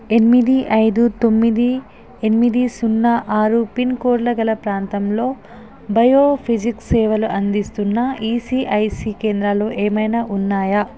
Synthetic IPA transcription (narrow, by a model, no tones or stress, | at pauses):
e̞nimid̪iʔɐjd̪ut̪omːid̪i | enimid̪isunːɐʔaːɾupinkoːɾlɐɡɐlɐpɾaːnt̪ɐmlo̞ː | bɐjoːpʰid͡ʒiksɛːʋɐluʔɐnd̪ist̪unːɐiːsiːʔɐjsiːkeːnd̪ɾaloːʔeːmɐjnɐʔunːaːjɐ